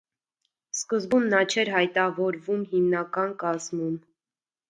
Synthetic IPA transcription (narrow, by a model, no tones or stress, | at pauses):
skəzbunːɑt͡ʃʰɛɾɦɑjt̪ɑvɔɾvumhimnɑkɑnkɑzmum